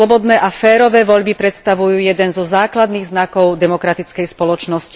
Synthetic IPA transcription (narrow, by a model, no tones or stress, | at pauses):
lɔbɔd̪nɛːʔafɛːɾɔʋɛːʋɔʎbipɾɛt̪st̪aʋujuːjɛd̪ɛnzɔzaːklad̪niːɣznakɔʊd̪ɛmɔkɾat̪it͡skɛjspɔlɔt͡ʃnɔsci̥